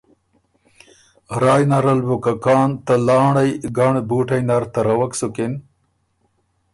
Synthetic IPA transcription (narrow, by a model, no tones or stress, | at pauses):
ɾaːjnɐɾɐlbukɐkaːnt̪ɐlaːɳɐjɡɐɳbuːʈɐjnɐɾt̪ɐɾɐwɐksukin